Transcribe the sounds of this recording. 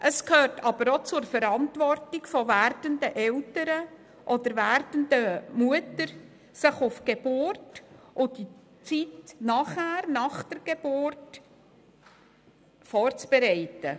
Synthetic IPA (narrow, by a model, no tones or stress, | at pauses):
ʔəskhøːrtʰɑbəɾot͡sʊɾfəɾɑntʋɔrtɪɡ̥fɔværdəndəʔɛltəɾə | ʔɔd̪əɾvæɾdəndəmuətəɾ | sɪχʊfɡ̥eb̥ʊrtʔʊd̥i | t͡sitnɑχhæːɾnɑχd̥əɾɡ̥eb̥ʊrt | fɔːrt͡sb̥eɾɛɪtə